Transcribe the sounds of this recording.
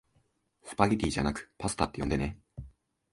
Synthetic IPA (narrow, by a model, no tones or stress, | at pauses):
sɨ̥paɡʲit̪ʲiːʑa̰nakɯ̟̥pasɨ̥t̪at̪ːejõ̞nd̪e̞ne